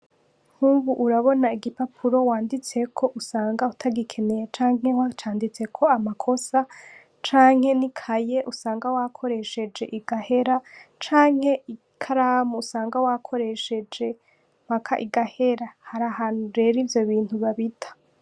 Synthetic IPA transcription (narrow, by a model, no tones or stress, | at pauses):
ŋ̥huβuʔːɾaβo̞naiɡipapʰuɾo̞waːndit͡se̞kʰo̞ʔusaːŋɡautʰaɡikʰe̞ne̞je̞t͡ʃaːŋ̥he̞wat͡ʃaːndit͡se̞kʰo̞amakʰo̞sa | t͡ʃaːŋ̥he̞nikʰaje̞ʔusaːŋɡawakʰo̞ɾe̞ʃe̞d͡ʒe̞ʔiɡahe̞ɾat͡ʃaːŋ̥he̞i | kʰaɾamuːsaːŋɡawakʰo̞ɾe̞ʃe̞d͡ʒe̞ | m̥akʰaʔiɡahe̞ɾahaɾahaːnuɾe̞ɾivjo̞βiːnhuβaβitʰḁ